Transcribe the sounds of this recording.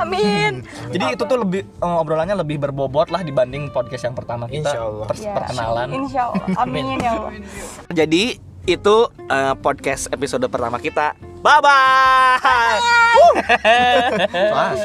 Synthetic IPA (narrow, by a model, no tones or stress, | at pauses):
amɪn | d͡ʒadiːt̪ut̪ʊhləbɪh | əmobɾolaɲaləbɪhbərbobɔt̪̚lahdibandɪŋpɔd̚kɛsjaŋpərt̪amakit̪aalppərkəna̰lannʃala̰mnala̰ | d͡ʒadi | it̪u | əːpɔd̚kɛsepisodəpərt̪amakit̪a | baba | a